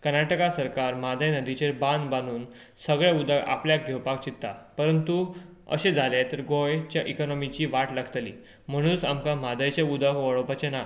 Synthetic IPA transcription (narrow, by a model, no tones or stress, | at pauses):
kəɾnaʈəkasəɾkaɾmad̪ʱəjnəd̪it͡ɕeɾbãnd̪banuːn | səɡɭaud̪ʱəka̰pljak̚ɡʱewpak̚t͡ɕit̪ːa̰pəɾənt̪u | ə̰ɕed͡zʱalet̪əɾɡojt͡ɕjaʔikɔnɔmit͡ɕiʋaʈlaɡt̪lḭː | m̤əɽ̃ũːnsamkãmad̪əjt͡ɕeud̪ʱəkʋəɭɔpat͡ɕena